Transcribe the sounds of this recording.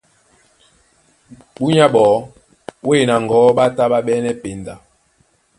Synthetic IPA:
ɓu˦ɲa˦ɓɔː˨˦ | we˦˨na˨ŋ˨ɡɔ˨˦ɓa˦ta˦ɓa˦ɓɛ˦nɛ˦pe˨nda˨

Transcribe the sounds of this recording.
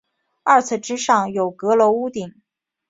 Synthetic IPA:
ɐ˞˥˩t͡s̩ʰ˥˩ʈ͡ʂ̩˥ʂɑ˥˩ŋjo˨˩ʊkɤ˧˥lɔ˧˥u˥t̪i˨˩˦ŋ

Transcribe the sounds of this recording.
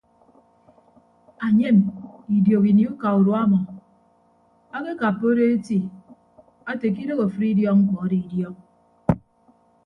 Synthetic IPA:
a˨ɲe˦˨mi˨djo˨ki˨ni˦u˦ka˨u˨ɾo˨a˦mɔ˨ | a˦ke˦ka˨pːo˦ɾe˦e˦ti˦ | a˦te˨k̬i˦ɾo˦ɣo˨fɾi˦djɔ˦kŋ̩˦k͡pɔ˨˦di˨i˨djɔ˦k̚

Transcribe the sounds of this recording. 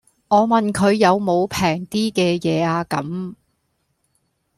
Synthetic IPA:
ŋɔː˨˧mɐ˨nkʰɵ˨˧ɥjɐ˨˧wmo˨˧wpʰɛː˨˩ŋt̪iː˥kɛː˧jɛː˨˧aː˧kɐ˨˥m

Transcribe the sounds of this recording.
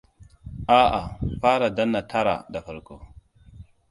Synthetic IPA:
a˦ʔa̰˨fa˦ɾa˨da˦nːa˨tʰa˦ɾa̰˨da˨fə˨ɾko˦

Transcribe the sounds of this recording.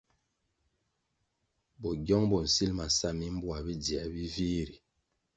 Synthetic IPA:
bɔ˨ɡjɔ˦ŋbɔ˨n̩˨si˦lma˨sa˦˨mi˦m˦bwa˨bi˦di˨a˨bi˦viː˦ɾi˨

